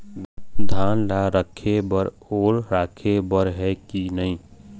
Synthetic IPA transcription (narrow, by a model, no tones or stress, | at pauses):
d̪ʱaːnlaɾəkʰebəɾ | oːɾɾaːkʰebəɾɦɛkinəɦĩː